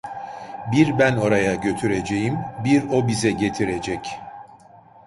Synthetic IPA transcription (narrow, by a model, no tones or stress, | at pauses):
biɾbæno̞ɾajaɟø̞t̪ʰyɾe̞d͡ʒe̞jimbiɾo̞bizɛɟe̞t̪ʰiɾe̞d͡ʒɛc